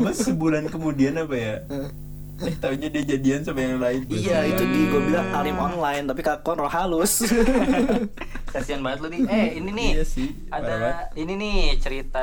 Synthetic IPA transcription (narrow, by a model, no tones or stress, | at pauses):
masəbulankəmudianapaja | ɛt̪auɲadiad͡ʒadiansamajaŋlaɪnijait̪udiɡuabilaŋʔalɪmɔnlajnt̪ap̬ikakɔnrohalʊs | kasianbaŋət̪̚ladiɛhininijasɪ | aadaaininit͡ʃəɾit̪a